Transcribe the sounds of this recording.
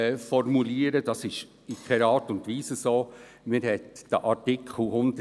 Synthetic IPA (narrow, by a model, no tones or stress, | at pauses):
fɔrmuliəɾəd̥ɑsɪʃ | ikʰɛɾɑːtʊntʋiːsəsoː | mɪɾhɛtd̥əʔɑɾtɪkʰχl̩hʊnd̥ə